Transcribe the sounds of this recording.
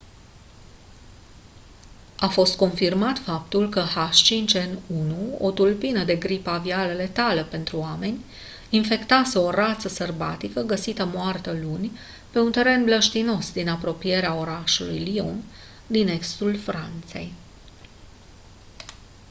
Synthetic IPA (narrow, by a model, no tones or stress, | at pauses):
afo̞st̪̚ko̞nfirmat̪fap̚t̪ulkəhaʃt͡ʃint͡ʃenunuo̞̰t̪ulpinəd̪e̞ɡɾipavialele̞t̪aləpe̞nt̪ɾuame̞nʲ | infe̞kt̪aseorat̪səsərba̰t̪ikəɡəsit̪əmoart̪əlunʲ | pe̞unt̪e̞ɾe̞nbləʃt̪ino̞sd̪inapɾo̞pije̞ɾeao̞ɾaʃulujlion | d̪ine̞kst̪ulfɾa̰nt̪se̞̰j